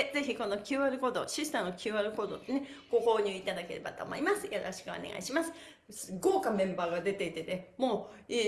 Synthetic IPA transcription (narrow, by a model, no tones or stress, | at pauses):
ed͡ze̞çiko̞no̞kʲɨːβaɾɯ̟ko̞d̪oɕisɨ̥t̪aɯ̃okʲɨːβaɾɯ̟ko̞d̪ot̪ːene̞ɡ̥o̞ho̞ːɲ̟ɨːit̪ad̪ake̞ɾe̞̰ba̰t̪o̰mo̰imasɨjoɾo̞̰ɕi̥kɯ̟o̰neɡa̰iɕimasɨ̥ | sɨɡoːkamẽ̞mbaːɡad̪e̞t̪e̞it̪e̞nemo̞ːi